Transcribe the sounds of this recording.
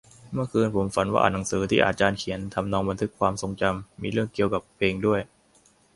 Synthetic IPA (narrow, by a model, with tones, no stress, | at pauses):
mɯ˥˩əkʰɯː˧npʰo˩˦mfa˩˦nwa̰ː˥˩ʔa˨˩na˩˦ŋsɯː˩˦t̪ʰiː˥˩ʔːt̪̚t͡ɕaː˧nkʰi˩˦ənt̪ʰa˧mnɔː˧ŋba˧nt̪ʰɯ˦˥kʰːwaː˧mso˧ŋt͡ɕa˧mːiː˧ɾɯ˥˩əŋki˨˩əwka˨˩pʰːeː˧ŋdu˥˩əj